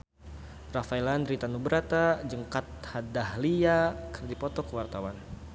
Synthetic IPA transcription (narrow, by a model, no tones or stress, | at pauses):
rafajlandɾit̪anubəɾat̪ad͡ʒəŋkat̪̚hadahliakərdipɔt̪ɔkəwart̪awan